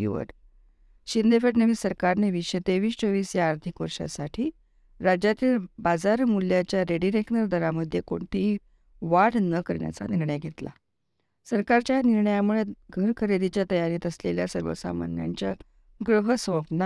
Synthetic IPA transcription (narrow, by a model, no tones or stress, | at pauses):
ṵʋə̰ʈ | ɕind̪efeʈnəʋiːsəɾkaɾneʋiɕət̪eʋiːst͡soʋiːsjaːɾt̪ʰikʋəɾɕa̰saʈʰiː | ɾad͡ʑjat̪iːlbad͡zaɾmuljat͡ɕjaɾeɖiɾeknəɾd̪ʱəɾaməd̪ʱːjekoɳʈ̪i | ʋaɽnəkəɾɳja̰t͡sa̰niɾɳəjɡʱet̪la̰ | səɾkaɾt͡ɕjaniɾɳəjamuɭeɡʱəɾkʰəɾed̪it͡ɕjat̪əjaɾiːt̪əsleljasəɾʋə̰sa̰ma̰nja̰ɲt͡ɕja̰ | ɡɾəɦəsõpna